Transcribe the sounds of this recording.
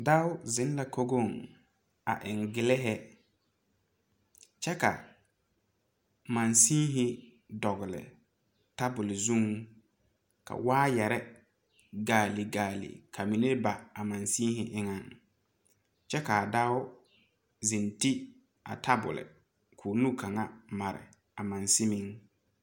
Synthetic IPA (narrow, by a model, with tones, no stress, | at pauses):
da˦ʊ˦zɪ˨˦n˦la˨kʰo˦ɡo˦˨ŋ | a̰˨ʔɪ˨ŋɡɪ˨lɪ˦ɦɛ˦ | t͡ʃɛ˦ka̰˨ | mã˨nsi˦ɦɪ˦ | dɔ˨ɣɪ˨lɪ̰˨ | ta˦bʊ˨lɪ˨zu˦ŋ | kʰa̰˨waː˦jɛ˨ɾɛ˦ | ɡaː˨li˨ɡaː˨lḭ˨kʰa˨mi˨ne˦ba˨a˨ma˨nsĩː˦ɦɪ˨ʔɪ˦ŋa˦ŋ | t͡ʃɛ˦ka˨da˦ʊ˦ | zi˨nti˦ | a̰˨tʰa˦bʊ̰˨lɪ̰˨ | kʰuː˨nu˦kʰa˨ŋa˦ma˨ɾɪ̰˨ | a˨mã˨nsi˦mi˦ŋ